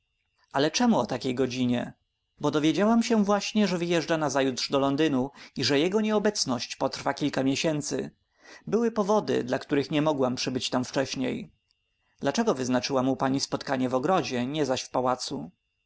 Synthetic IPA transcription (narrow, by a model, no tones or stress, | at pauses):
ʔalɛt͡ʂɛmuɔt̪akʲejɡɔd͡ʑiɲɛ̰ | bɔd̪ɔvʲjed͡ʑawamɕɛvwaɕɲɛʐɛvɘjɛʐd͡ʐanazajut̪ʂd̪ɔlɔnd̪ɘnuiʐɛjɛɡɔɲɛɔbɛt̪snɔɕt͡ɕpɔt̪ɾfakʲilkamʲjɛɕɛnt̪sɘ | bɘwɘpɔvɔd̪ɘ̰d̪lakt̪uɾɘxɲɛmɔɡwampʂɘbɘt͡ɕt̪amft͡ʂɛɕɲḛj | d̪lat͡ʂɛɡɔvɘznat͡ʂɘwamupaɲispɔt̪kaɲɛvɔɡɾɔd͡ʑɛɲɛzaɕfpawat̪su